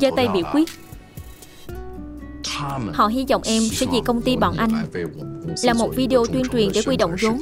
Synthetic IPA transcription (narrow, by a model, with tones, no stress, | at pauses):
zəː˨˦t̪ə˧jɓḭ˧˨wkwi˦˥ət̚ | hɔ̰˧˨ɦi˧zɔ̰˧˨wŋ͡mʔɛ˧mfɛ˨˦zḭ˨˩kə˧wŋ͡mt̪i˧ɓɔ̰ː˧˨nʔa˧jŋ̟ | laː˨˩mo˨˩t̚vi˧ɗe˧ʔo˧t̪wi˧ənt͡ɕwi˨˩nze˧˩kwi˧ɗo̰˧˨wŋ͡mzo˨˦m